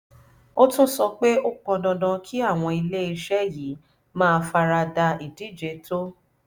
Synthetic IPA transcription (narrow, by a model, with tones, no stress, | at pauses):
o˦tũ˦sɔ˧k͡pe˦o˦k͡pɔ̃˧dɔ̃˧dã˧kʰi˦a˦˨w̃ɔ̃˧i˧le˦i˧ʃɛ˦ji˨˦ | mãː˦˧fa˧ɾa˧da˧i˨di˨˦˨d͡ʒe˨˧˦to˦